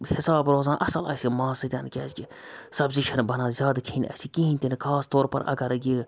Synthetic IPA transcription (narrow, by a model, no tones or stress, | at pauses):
hɪsaːbɾoːzãːnʔɐsɐlɐ̰sʲimaːsɨt̪ʲaːnkʲɛːskʲisɐbziʃɐnbɐnaːzʲaːd̪kʰiːnʲɐ̰sʲikĩɦĩnʲt̪ʲinkʰaːst̪oːɾpɐ̰ɾʔɐ̰ɡɐɾɡi